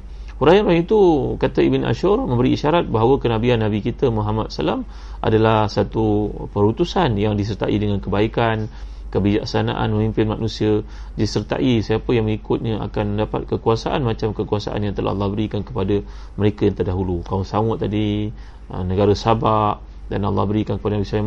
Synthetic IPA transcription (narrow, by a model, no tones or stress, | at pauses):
uɾainuɾaiit̪ukat̪aibɪnʔa̰ʃurmə̃mbəɾiːʃaɾat̪̚baɦawəkənabianːabikit̪əmuɦamat̪̚salam | ʔa̰dalahsat̪upəɾut̪usanjaŋdis̬ərt̪a̰ʔidəŋãnkəbaikan | kəbid͡ʒa̰ksana̰ʔa̰nməmĩmpɪnmanũsia | disərt̪a̰ʔisiapəjaŋmŋikʊt̪̚ɲəa̰kanməndapa̰t̪̚kəkuasaʔanmat͡ʃamkəkuasa̰ʔa̰njaŋt̪əlʔa̰ɑ̰lːɑhbəɾikankəpada | məɾekajaŋt̪ərdaɦulukawasawʊt̪̚tːadi | ənəɡaɾasabaʔ | danɑlːɑ̰hbəɾikankəpadənabisa